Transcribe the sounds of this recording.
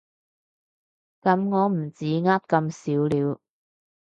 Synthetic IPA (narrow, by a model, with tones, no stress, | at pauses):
kɐ˨˧˥mŋɔː˨˧m̩˨˩t͡siː˨˥ŋaː˥t̚kɐ˧msiː˨˥wliː˨˧w